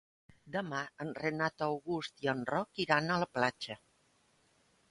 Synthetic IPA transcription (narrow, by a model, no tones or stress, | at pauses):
d̪əmaənrənat̪əwɣust̪iənrɔkiɾanələplat͡ʃə